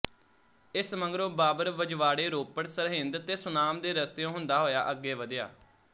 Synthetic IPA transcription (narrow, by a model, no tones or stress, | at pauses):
ɪsməŋɡɾõːbaːbəɾʋəd͡ʒʋaːɽeːɾoːpəɽsəɾɦɪ̃nd̪t̪eːsʊnaːmd̪eːɾəst̪ejõːɦʊnd̪aːɦoːja̰ːʔəɡːeːʋəd̪ɪja̰ː